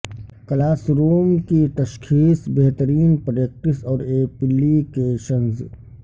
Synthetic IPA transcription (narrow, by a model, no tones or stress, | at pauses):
klaːsɾuːmkit̪ɐʃkʰiːsbeɦt̪əɾiːnpɾek̚ʈɪsɔːɾeːpɪlːikeʃənz